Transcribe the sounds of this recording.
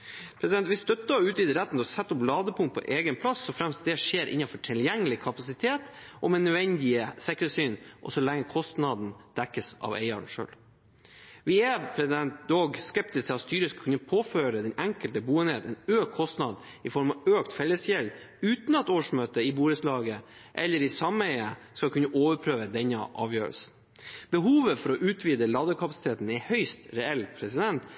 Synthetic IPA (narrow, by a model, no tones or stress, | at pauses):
pʰɾɛsd̪ɛnt̪ʋɪst̪œt̪ːəʉːt̪ɪd̪ɪɾæt̪ːn̩t̪ɔsɛt̪ːɔplɑːd̪əpʰʊŋt̪̚pʰɔ̰ʔeːɡənpʰlɑsːɔfɾɛmst̪̚d̪ɛʂeːɾʔɪ̰nːɑfɔʈʰɪljɛŋːəlɪkʰɑpɑsɪt̪ʰeːt̪ʔɔmɛnːʉʋɛnd̪ɪəsɛkɾəsyːnʔɔ̰sɔlɛŋːəkʰɔst̪nɑd̪n̩d̪̥ɛkːəsʔɑ̰ʋḛɪɑɳʂø̰ːl | ʋɪɛpʰɾɛsɪd̪ɛnt̪̚d̪oːɡskɛp̚t̪ɪskt̪ʰɛɑt̪st̪yːɾəskʰʉnːəpʰoːføːɾəd̪ɛnʔɛŋkəlt̪əbuːɛneːt̪ɛnøːkʰːɔst̪nɑd̪ | ɪfɔɾmɑʋøːkt̪fɛlːəsjɛl | ʉːt̪n̩ɑt̪oːʂmøːt̪əɪbuːɾəslɑːɡə | ʔɛlːəɾɪsɑmːəɛɪəskɑkʰʉnːəʔoːʋəɾpʰɾøːʋəd̪ɛnəʔɑ̰ːʋjø̰ːɾə̰lsn̩ | b̥əɦuːʋəfɔɾɔʔʉːt̪ʰʋiːd̪əlɑd̪əkʰɑpɑsɪt̪ʰeːt̪n̩ɛhœʏst̪ɾɛɛlpʰɾɛsɪd̪ɛnt̪